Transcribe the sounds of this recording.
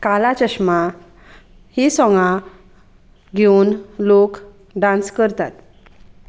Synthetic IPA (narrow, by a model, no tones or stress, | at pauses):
kalat͡ɕəɕma | hisɔŋɡã | ɡʱeunlok | ɖãnskəɾt̪at̪